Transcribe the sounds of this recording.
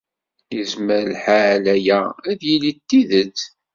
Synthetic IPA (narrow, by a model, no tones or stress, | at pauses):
jəzməɾlħaʕlæjææðjilit̪ːiðət͡sː